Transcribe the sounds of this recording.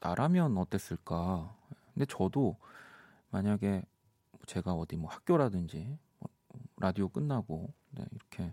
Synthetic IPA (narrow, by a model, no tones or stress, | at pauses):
a̰ɾʔamjʌnʌt͈e̞s͈ɯɭk͈aekʰɯnde̞t͡ɕʌdo | maɲaɡe̞ | mʌt͡ɕe̞ɡaʌdimwʌhak͈̚joɾadɯnd͡ʑimʌ̰ | ʌɾʔadiok͈ɯnːaɡo | ne̞̰iɾʌkʰe̞